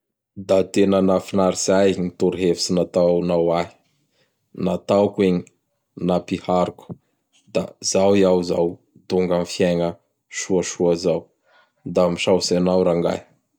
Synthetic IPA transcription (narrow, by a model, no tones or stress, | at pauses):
d̪at̪enənafinaɾiz̥ajnit̪uɾiɦevfi̥sinat̪anawaɦi̥ | nat̪awkweɲi̥ | napihaɾuku̥ | d̪a̰zawiawzaw | t̪uŋɡanfjeŋə | ʃuəʃuəzaw | d̪amiʃawsanawɾaŋɡa̰j